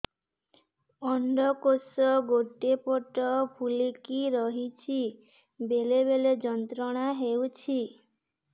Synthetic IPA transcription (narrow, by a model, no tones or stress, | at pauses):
ɔɳɖɔkosɔɡoʈepɔʈɔpʰulikiɾɔɦit͡ʃʰi | beleβeled͡ʒɔnt̪ɾɔɽ̃aɦewt͡ʃʰi